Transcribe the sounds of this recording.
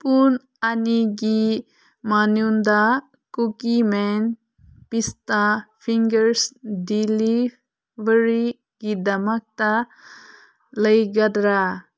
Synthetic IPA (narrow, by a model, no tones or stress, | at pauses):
pun | aniɡi | manund̪a | kukimɛn | pist̪apʰiŋɡəɾsdili | bəɾi | ɡ̥id̪ɐmak̚ta | ləjɡad̪ɾa